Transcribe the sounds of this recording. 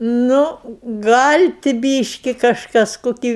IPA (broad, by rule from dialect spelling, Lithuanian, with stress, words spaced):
ˈnʊ ˈɡɐlʲ tʲɪ ˈbʲiːʃʲkʲɪ kɐʃˈkɐs koːˈkʲiː